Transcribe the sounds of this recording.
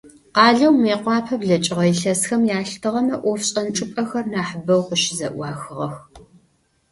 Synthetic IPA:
qɑːɮɐwmeːqʷɑːpʰɐbɮɐt͡ʃʼɪʁɐjɪɬɐsxɐmjaːɬtʰɨʁɐmɐʔʷɔfɕʼɐnt͡ʃʼɨpʼɐxɐrnaːħəbɐwqəʃɪzɐ̰ʔʷɑːxɨʁɐx

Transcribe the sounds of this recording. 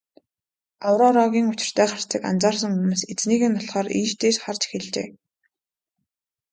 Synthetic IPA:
awɾɔɾɔɣʲiːŋʊt͡ɕɪ̥̆r̥t̪ʰæːχar̥t͡sĭka̰nt͡saːrs̬ə̆ŋɵmŭset͡sniːɣɘ̆nt̪ːʰɔɮχɔːɾḭːʃt̪eːʃχart͡ɕxĕɮt͡ɕḛː

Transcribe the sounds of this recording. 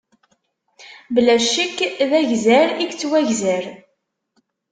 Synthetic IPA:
blæʃikːðæʝzæɾiɡt͡sːwæʝzæɾ

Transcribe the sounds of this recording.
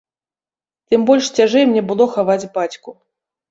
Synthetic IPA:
t̪ɨmbɔlʲʂt͡sʲaʐɛjmnʲɛbɨlˠɔxavad͡zʲbat͡sʲku

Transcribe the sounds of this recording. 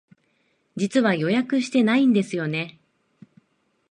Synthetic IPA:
d͡ʑit͡sɨβajo̞jakɯ̟ɕi̥t̪e̞naĩnd̪e̞sɨjo̞ne̞

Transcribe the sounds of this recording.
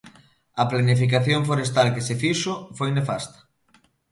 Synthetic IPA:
ɐplanifik̬aθjoɱfoɾest̪alkesefiʃofojnefast̪ɐ̥

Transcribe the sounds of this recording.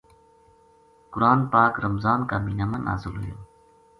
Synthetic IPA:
kʊɾaːnpaːkɾɐmzaːnkaːmiːnamɐnʔa̰ːzɪlɦʊjoː

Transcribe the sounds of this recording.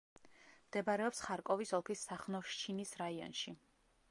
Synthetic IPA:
md̪̥ɛbaɾɛɔpsχaɾkʼɔvisɔlˠkʰisːaχnɔʃt͡ʃʰinisɾaiɔ̰nʃi

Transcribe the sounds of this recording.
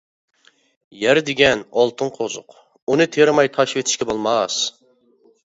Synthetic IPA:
jæɾd̪ɪɡʲɛnɑlˠt̪ʰɨɴqʰozʊ̰q | unɨt̪ʰeɾmɑjt̪ʰɑʃwet̪ʰɪ̥ʃkʲɛbolˠmɑs

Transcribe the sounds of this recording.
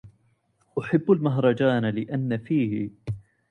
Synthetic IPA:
ʔʊħabːalmaɦɾˤɑd͡ʒaːnalɪʔanːafiːhɪ̰

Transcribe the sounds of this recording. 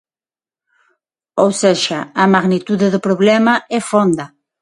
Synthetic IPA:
owsɛʃɐɐmaɣnit̪uðɪðʊpɾoβlɛmɐɛfond̪ɐ

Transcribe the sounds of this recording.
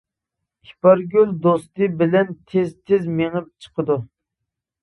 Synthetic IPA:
ipɑɾɡʲøld̪ost̪ɨbɪlɛnt̪ʰezt̪ʰɪzmeŋɨp̚t͡ʃʰə̥qʰəd̪u

